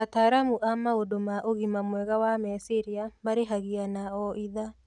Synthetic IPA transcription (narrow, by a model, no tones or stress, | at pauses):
ataɾamuʔamaodomaʔoɣimamwɛɣawamɛsiɾiamaɾeɦaɣianaɔʔiða